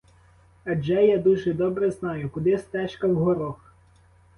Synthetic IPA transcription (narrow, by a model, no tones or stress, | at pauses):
ɐd͡ʒɛjad̪uʒɛd̪ɔbɾɛznɑjʊkʊd̪ɪst̪ɛʃkɐwɦɔɾɔx